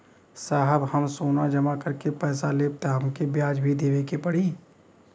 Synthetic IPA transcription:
saːɦəbhɐmsoːnad͡ʒɐmakɐɾkepɛːsaleːp̚t̪aɦəmkebjaːd͡ʒbʱid̪eːʋekepɐɽiː

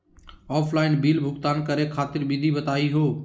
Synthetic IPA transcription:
ɔːpʰlaːɪnbiːlbʱʊɡt̪aːnkəɾekʰaːt̪ɪɾbid̪ʱibɐt̪aːiɦoː

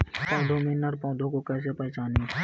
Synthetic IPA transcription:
pɔ̃ːd̪ʱõːmɪnəɾpɔ̃ːd̪ʱõːkoːkɛːs̬epɛːʃaːnĩ

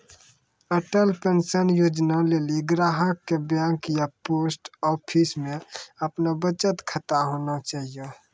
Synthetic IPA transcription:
əʈəlpẽnsənjoːd͡ʒnaleːliɡɾaːɦəkːebjãːŋkijapoːsʈɔːpʰismẽɐpnabət͡ʃət̪kʰət̪aɦoːnat͡ʃaːɦijo

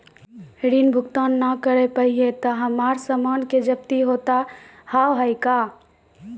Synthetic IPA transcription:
ɽinbʱukt̪anːakəɾepəɦiet̪əɦəmaɾsəmanked͡ʒəbt̪iɦot̪a | hawɦəɪka

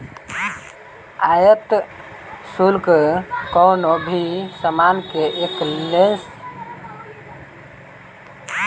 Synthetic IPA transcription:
ajət̪ | sulkkɔwnobʱisəmankeʔeklens

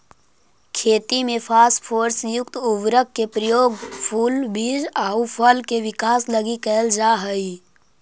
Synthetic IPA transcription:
kʰeːt̪imẽpʰaːspʰoːɾsjʊkt̪ʊʋɾəkːepɾəjoːɡpʰuːlbiːd͡ʒaːupʰəlkeʋɪkaːsləɡikɛld͡ʒaːɦəi

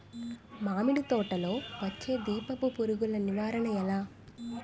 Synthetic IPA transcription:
maːmiɽit̪ɔːʈɐlo̞ːʋɐt͡ʃːe̞ːd̪iːpɐpupuɾuɡulɐniʋaːɾɐɳɐɛlaː

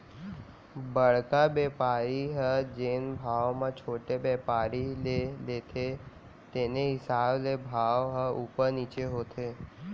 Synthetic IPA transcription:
bəɽ̤kabeːpaːɾiɦəd͡ʒeːnbʱaːʋmãt͡ʃʰoːʈebɛːpaːɾileleːt̪ʰe | t̪eːnẽɦɪsaːblebʱaːʋɦəuːpəɾniːt͡ʃeɦoːt̪ʰeː

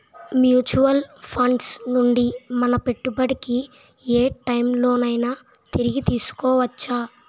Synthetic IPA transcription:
mjuːt͡ʃuʋɐlpʰɐɳɖsnuɳɖimɐnɐpe̞ʈːubɐɽiki | eːʈɐjmlo̞ːnɐjnaː | t̪iɾiɡit̪iːsu̥kɔːʋɐt͡ʃːaː

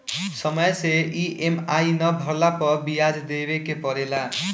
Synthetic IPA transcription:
sʌmʌjseiʔemajnʌbʱʌɾlapʌbijad͡zd̪ebekepʌɾela

